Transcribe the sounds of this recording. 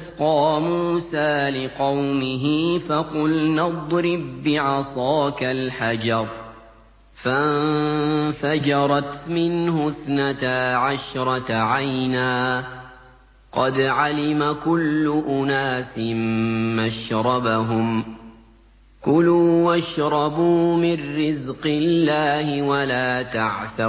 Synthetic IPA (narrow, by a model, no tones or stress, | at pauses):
ʔasqɑːmuːsaːlɪqɑwmɪɦɪfaqʊlnɑd̪ˤɾɪb̚ːɪʕɑsˤɑːkalħad͡ʒɑɾˤ | fa | fad͡ʒɑɾˤɑt̪mɪnhʊθnat̪aʕaʃɾˤɑaʕajnaː | qɑd̪ʕalɪmakʊlːʊʔʊnaːsɪmːaʃɾˤɑbaɦʊm | kʊluːwaʃɾˤɑbuːmɪnːɪzqɪllːaːhɪwalaːt̪aʕθa